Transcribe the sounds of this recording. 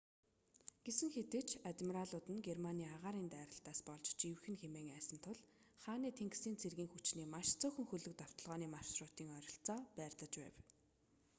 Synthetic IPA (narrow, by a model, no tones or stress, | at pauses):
ɡ̥esɘ̆ŋxet̪ɘ̆kt͡ɕʰat̪mʲiɾaɮʊːt̪ɘ̆nɡermaniːaʁaːɾiːnt̪æːɾə̆ɬt̪aːspɔɮt͡ɕt͡ɕiwxɘ̆nxemeːŋæːsə̆nt̪ʰʊɮ | χaːniːt̪ʰeŋksiːnt͡sʰerɣiːŋxut͡ɕniːmaʃt͡sœxɵ̆ŋxɵɮɵ̆k̚t̪aw̥t̪ɞ̆ɮʁɔːniːmaʃsrʊːt̪iːŋœɾʲɞ̆ɬt͡sɔːpæːrt̪ɮə̆t͡ɕpæ̰ːw